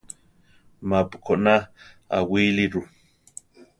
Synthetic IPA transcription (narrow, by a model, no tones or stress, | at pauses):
mapkʰoʔnaa̰wiːliɾu